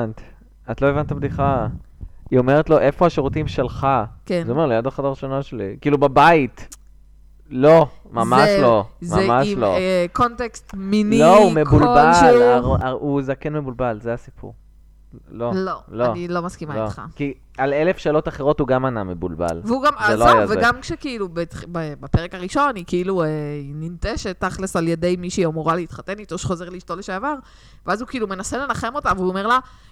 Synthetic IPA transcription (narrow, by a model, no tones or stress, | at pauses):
nt̪ | atlo̞evant̪abdiχa | iomeʁet̪lo̞ʔe̞foaʃeʁutimʃe̞lχakezomeʁlijadaχadaʁiʃonaʃelikiːlubabait | lo̞mamaʃlo̞zmaemaʃlokontekst̪minloumebulbalaauzakenme̞bulbalzeasipʰṵʁ | lolo̞loanilo̞maskimaitχa̰ki | alelefʃeːlo̞taχeʁo̞tuɡamana̰mebṵlba̰lveuɡamaloajaveɡamkʃekiilubetbebape̞ʁekaʁiʃo̞nnikeiluenimt̪eʃet̪ːaχlesaljede̞jmiʃiomuʁaleit̪χate̞nit̪oʃe̥χo̞ze̞ʁliiʃtoleʃeavaʁ | veazukiilume̞nasele̞laχe̞mo̞taveuome̞ʁla